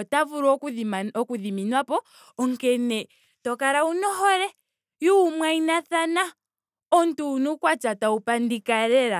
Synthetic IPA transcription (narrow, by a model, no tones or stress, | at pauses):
ɔtavuɾɔɔkuðiminwapɔ | ɔŋkɛnɛ | tɔkaɾaunɔɦɔɾɛ | juːmwainaθana | ɔntuːnukwat͡ʃataupandikaɾɛɾa